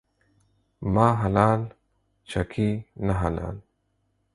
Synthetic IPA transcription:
mãːɦɐlaːl | t͡ʃʰɐkʰiːnɐɦɐla̰ːl

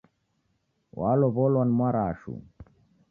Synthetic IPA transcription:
waloβolwanmwaɾaːʃṵ

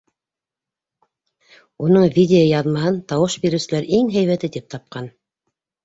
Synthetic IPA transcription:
unɤɴvʲidʲeojɑðmɑɦɤnt̪ɑwɤʃbiɾɘ̆wsɘ̆læɾiŋɦæjβæt̪ɘt̪ip̚t̪ɑp̚qɑn

